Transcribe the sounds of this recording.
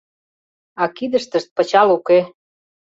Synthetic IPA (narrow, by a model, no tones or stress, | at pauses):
ɑkid̪əʃt̪əʃt̪̚pə̆t͡ɕɑluke